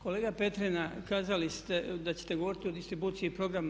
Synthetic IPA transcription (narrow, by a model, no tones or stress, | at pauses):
ko̞leːɡape̞t̪ɾenakaːzalist̪ed̪at͡ɕe̥t̪e̞ɡo̞ʋo̞ɾit̪io̞d̪ist̪ɾibuːt̪siipɾo̞ɡɾam